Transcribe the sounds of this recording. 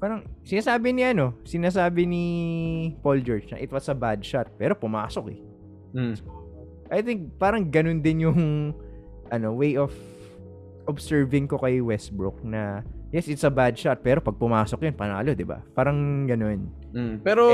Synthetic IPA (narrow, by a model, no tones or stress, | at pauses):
paːɾɐŋsɪnaːsaːbɪnɪʔɐno̞sɪnaːs̬aːbɪni | pold͡ʒoɹt͡ʃnɐ̰ʔɪt̪wɐt̪sɐbad̪̚ʃat̪̚pɛːɾopʊma̰ːsokɛ | s | ʔajθɪŋk̚paːɾɐŋɡɐno̞nd̪ɪnjʊŋ | ʔɐno̞wejʔov | ʔobsɛɹvɪŋko̞kɐjwɛsbɹʊk̚nɐjɛsʔɪt̪sɐbad̪̚ʃat̪̚pɛːɾo̞pɐɡ̚pʊmaːsok̚jonpɐna̰ːlo̞d̪ɪba̰paːɾɐŋɡɐno̞n̩ | pɛɾo